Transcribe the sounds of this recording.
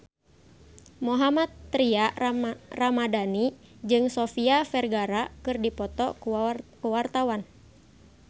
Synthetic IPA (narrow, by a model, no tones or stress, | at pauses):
mɔɦamat̪ːɾia | ramadani | d͡ʒɨŋsɔfiafɛrɡaɾakɨrdipɔt̪ɔ̰kuwart̪awan